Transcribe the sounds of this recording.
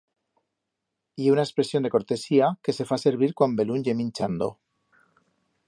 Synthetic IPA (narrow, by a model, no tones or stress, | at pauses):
ieunaekspɾe̞sjond̪e̞ko̞ɾt̪e̞siake̞se̞fase̞ɾβiɾkwambe̞lunjemĩnt͡ʃand̪o̞̰